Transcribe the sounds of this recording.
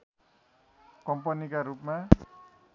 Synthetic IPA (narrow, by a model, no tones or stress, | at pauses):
kʌmpʌnikaɾupma